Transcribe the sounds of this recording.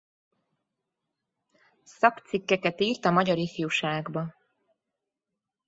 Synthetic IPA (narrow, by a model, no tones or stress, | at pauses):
sɒkt̪sikːɛkɛt̪iːrt̪ɒmɒɟɒɾifijuʃaːɡbɒ